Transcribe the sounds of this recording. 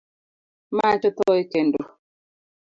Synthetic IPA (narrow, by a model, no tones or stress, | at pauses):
mat͡ʃɔtɔikendu